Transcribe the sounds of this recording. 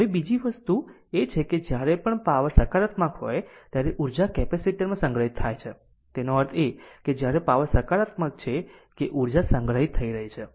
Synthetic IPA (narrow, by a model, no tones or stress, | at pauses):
ɦəʋebid͡ʒiʋəst̪u | et͡ʃʰeked͡ʒjaɾepəɳpaʋəsəkaɾət̪makɦo̰jt̪jaɾeʔuɾd͡ʒakɛpesiʈəɾmãsəŋɡɾəɦit̪ʰːajt͡ʃʰe | t̪enoəɾt̪ʰeked͡ʒjaɾepaʋəsəkaɾət̪mək̚t͡ʃʰekeʔuɾd͡ʒasəŋɡɾəɦit̪ʰːəiɾəɦet͡ʃʰe